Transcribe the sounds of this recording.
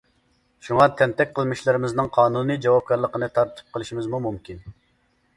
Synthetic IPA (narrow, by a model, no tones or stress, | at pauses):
ʃuŋɑt̪ʰɛnt̪ɛk̚ʲqʰəlˠmɪʃlɪɾɪmɪznɨŋqʰɑːnunɨd͡ʒɑwɑp̚kɑɾlˠəqənɨt̪ʰɑɾt̪ʰɨ̥p̚qʰəlˠɨʃimɪzmumumkʲin